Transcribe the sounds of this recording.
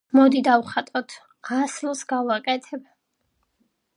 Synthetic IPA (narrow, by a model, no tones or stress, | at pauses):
mɔd̪id̪avχat̪ʼɔt̪ʰ | aslsɡavakʼɛt̪ʰɛba